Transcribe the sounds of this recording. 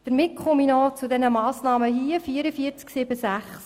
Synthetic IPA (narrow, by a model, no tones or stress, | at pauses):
d̥əɾmɪtkʰχɔminɔt͡sudɛnəmɑːsnɑːməɦiəfiəɾəfiːəɾt͡sksɪbəsæχs